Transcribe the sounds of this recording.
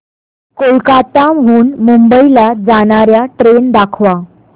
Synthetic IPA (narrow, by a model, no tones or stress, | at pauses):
kolkat̪amɦuːnmumbəilad͡zaɳ̃aɾjaʈɾend̪akʰʋa